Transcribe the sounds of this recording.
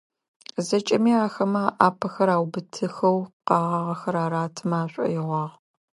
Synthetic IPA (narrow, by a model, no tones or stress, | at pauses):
zɐt͡ʃʼɐmiːaːxɐmɐʔaːpʰɐxɐɾaːwbɨtʰɨxɐwqɑːʁɐʁɐxɐɾaːɾaːtʰɨmaːɕʷʼɐ̰jɪʁʷɑːʁ